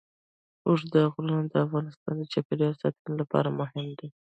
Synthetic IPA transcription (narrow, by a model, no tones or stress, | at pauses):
oʂd̪əɣluund̪əafɣɑnɪst̪ɑ̰nd̪ət͡ʃakeɾjosɑt̪unolapɑ̰ɾamʊɦɪmd̪i